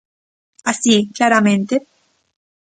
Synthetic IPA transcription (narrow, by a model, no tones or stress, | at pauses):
asikjaɾament̪e